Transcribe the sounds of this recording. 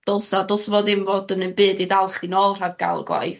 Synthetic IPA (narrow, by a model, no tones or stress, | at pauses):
d̥olˠsadolˠsvoːðɪmvɔdənənbɨːdiðalˠχinɔːlˠr̥avɡa̰lˠɡwa̰jθ